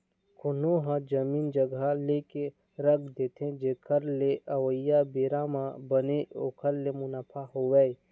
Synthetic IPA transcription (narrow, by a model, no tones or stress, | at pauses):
kʰʊnoɦãd͡ʒɐmiːnd͡ʒəɡaleke | ɾəkʰd̪eːt̪ʰẽd͡ʒeːkʰəɾleʔɐwəjabeːɾãmãbəneo̰ːkʰəɾlemʊnaːpʰaɦowɛːj